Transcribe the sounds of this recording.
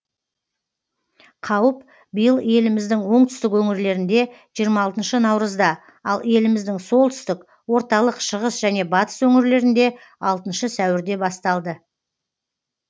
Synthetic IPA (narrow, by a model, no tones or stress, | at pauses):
qʰɑwəp | bijəlˠje̞lɪmɪzd̪ɪŋwo̞ɴt̪ʏst̪ɪkwɵŋɪɾle̞ɾɪnd̪e̞ʒ̥ijəɾmɑːlˠt̪ənʃənɑwɾəzd̪ɑ | ɑlˠje̞lɪmɪzd̪ɪŋso̞lˠt̪ʰʏ̥st̪ɪk | wo̞ɾt̪ɑlˠəqʃəʁəsʒ̥æne̞bɑt̪ə̥swɵŋɪɾle̞ɾɪnd̪e̞ | ɑlˠt̪ənʃəsæwɪɾd̪e̞bɑst̪ɑlˠd̪ə